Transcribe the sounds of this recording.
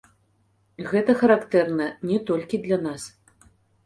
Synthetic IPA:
ɣɛt̪ɐxɐɾakt̪ɛrnɐnʲɛt̪ɔlʲkʲid̪lʲanas

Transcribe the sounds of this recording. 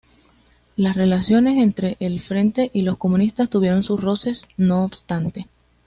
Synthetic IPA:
lasre̞lasjo̞ne̞se̞nt̪ɾe̞ʔelfɾe̞nt̪e̞ʔilo̞sko̞mũnist̪ast̪uβje̞ɾo̞nsusro̞se̞sno̞ːbst̪ant̪e̞

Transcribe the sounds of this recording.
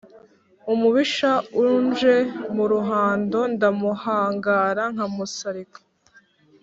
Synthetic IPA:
umuβiʃaunʒe̞muɾuɦaːndo̞ndamuhaːŋɡaːɾaŋ̥amusaɾikḁ

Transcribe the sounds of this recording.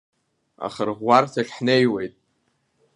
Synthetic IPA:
a̰χərʁʷartʰaɬʲħnejwe̞jtʼ

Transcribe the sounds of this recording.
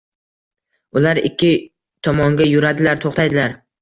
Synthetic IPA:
ʊlaɾɪkʲːɪ | t̪ʰɒmɒŋɡʲajʊɾad̪ɪlaɾt̪ʰoχt̪ʰajd̪ɪlaɾ

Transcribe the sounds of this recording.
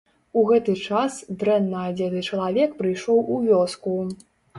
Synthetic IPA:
uɣɛt̪ɨt͡ʂasd̪ɾɛnːɐad͡zʲɛt̪ɨt͡ʂɐlˠavʲɛkpɾɨjʂɔwʔuvʲɔsku

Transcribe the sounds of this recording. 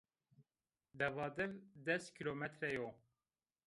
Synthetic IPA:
d̪ɛvɑːd̪ɛvd̪ɛst̪kʰilomɛt̪ʰɾɛjo

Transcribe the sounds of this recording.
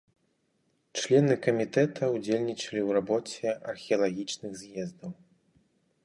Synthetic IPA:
t͡ʂlʲɛnɨkɐmʲit̪ɛt̪ʰɐud͡zʲelʲnʲit͡ʂɐlʲiwrabɔt͡sʲɛɐrxʲɛɐlˠaɣʲit͡ʂnɨɣzjɛzd̪ɐw

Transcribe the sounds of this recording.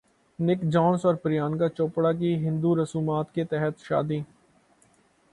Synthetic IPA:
nɪkd͡ʒɔːnsɔːɾpəɾɪjaːnkat͡ʃoːpɽak̬iɦɪ̃nd̪uɾɐsuːmaːt̪ket̪ɛɦət̪ʃa̰ːd̪iː

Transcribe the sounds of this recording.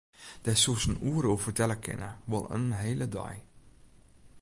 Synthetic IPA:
d̥ɛsusən̩uːɾoːfətɛləkʰɪ̰nəʋɔlˠə̰nnɦelədɑ̰j

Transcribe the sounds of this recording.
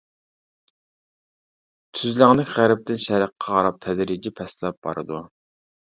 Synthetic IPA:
t̪ʰyzlæŋlɪkʲʁæɾɪp̚t̪ɪnʃɛɾəqʰːɑʁɑɾɑp̚t̪ʰɛd̪ɾid͡ʒipʰɛslˠɛp̚b̥ɑ̰ɾɨ̰d̪u

